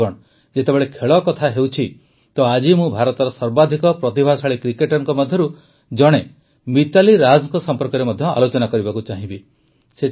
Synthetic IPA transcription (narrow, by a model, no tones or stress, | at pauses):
ɔɽ̃ | d͡ʒet̪ebeɭekʰeɭɔkɔt̪ʰaɦewt͡ʃʰi | t̪ɔad͡ʒimũbʱaɾɔt̪ɔɾɔsɔɾbad̪ʱikɔpɾɔt̪ibʱasaɭikɾikeʈɔɾɔŋkɔmɔd̪ʱjɔɾu | d͡ʒɔɽ̃e | mit̪aliɾad͡ʒɔŋkɔsɔmpɔɾkɔɾemɔd̪ʱjɔʔa̰lot͡ʃɔnakɔɾibakut͡ʃaɦĩbi | se